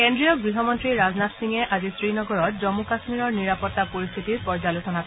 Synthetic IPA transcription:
kendɹijɔɡɹiɦɔmɔntɹiɹaznatsiŋɛʔazisɹinɔɡɔɹɔt̚zɔmukasmiɹɔɹniɹapɔtːapoɹist̪ʰitiɹpɔɹzalosɔnakɔ

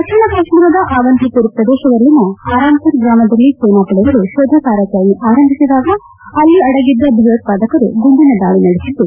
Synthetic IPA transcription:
k̪ɐkt͡ʃʰɐɳɐkaːʂmiɾɐd̪ɐʔaːʋɐnt̪ip̪uɾupɾɐd̪ɛːʃɐʋɐlːinɐaːɾaːmt̪ɐɾɡɾaːmɐd̪ɐlːisoːnaːpɐɭɐɐɾuʃoːd̪ʱɐkaːɾɐt͡ʃaːʋiʔaːɾɐmbʱisid̪aːɡɐ | ɐlːiɐɽɐɡid̪ːɐbʱɐʋɐt̪̚paːd̪ɐkɐɾṵɡuɳɖinɐd̪aːɭinɐɽisid̪ːu

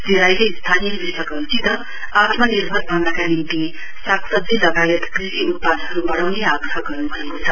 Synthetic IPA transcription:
diɾajkʌist̪ʰanijʌbisʌɡʌtid̪ʌ | at̪ʰmʌniɾbʱʌɾbʱand̪akanint̪i | saksʌd̪ilʌɡajʌt̪kɾisiut̪̚pad̪ɦɐɾubʌɽawniaɡkʰaɡʌɾnubʱʌekot͡sʰʌ

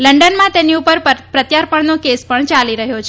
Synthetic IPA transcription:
ləɳɖənmãt̪eniupəɾpɾət̪jaɾpəɳnokespəɳt͡ʃaliɾəɦjot͡ʃʰ

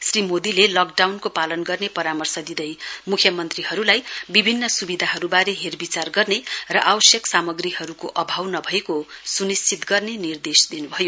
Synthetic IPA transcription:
srimod̪ilelʌk̚ɖawnkopalʌnɡʌrnepʌɾamʌrsʌd̪id̪ʌjmukʰjʌmʌnt̪riɦʌɾulajbibʱinːʌsubid̪ʱaɦʌɾubaɾeɦerbit͡sarɡʌrnerʌʔawʌsjʌksamʌɡriɦʌɾukoʔʌbʱawnʌbʱʌekosunist͡sit̪ɡʌrnenird̪esd̪inubʱʌjo

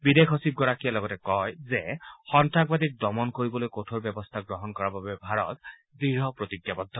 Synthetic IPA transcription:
bid̪ekʰɔsib̚ɡɔɹakijalɔɡɔtɛkɔjzɛxɔntak̚bad̪ik̚dɔmɔnkoɹibɔlojkotʰoɹbjɛbɔst̪ʰaɡɹɔɦɔnkɔɹababɛbʱaɹɔ̰t̪̚ | diɹɦɔpɹot̪ikjabɔd̪ʱːɔ

